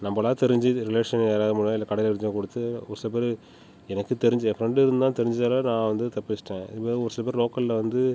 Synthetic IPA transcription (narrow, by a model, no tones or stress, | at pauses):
nɐmbɐlãːt̪ɛɾɪɲd͡ʒiɾɪleːʂɐneːɾaːðɯmʊɭãːɪlːɐkɐɽɐlɛɪɲd͡ʒõːkɔɽɯt̪ːɯɔʋɾɯsɪlɐp̬eːɾ | ɛnɐkːɯt̪ɛɾɪɲd͡ʒefɾɛɳɖɪɾɯnd̪d̪ãːt̪ɛɾɪɲd͡ʒɪt͡ʃaːlɐnãːʋɐnd̪ɯt̪ɐpːɪt͡ʃːʈːẽːɪ̰pːɐːɔɾɯsɪlɐp̬eːɾɪloːkɐllɐʋɐnd̪ɯ